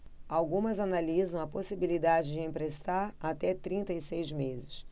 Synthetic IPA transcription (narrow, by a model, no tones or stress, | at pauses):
awɡũmɐzanalizɐ̃w̃ɐposibilid̪ad͡ʒɪd͡ʒɪẽmpɾest̪aɾat̪ɛt̪ɾĩnt̪ɐɪsejzmezɪs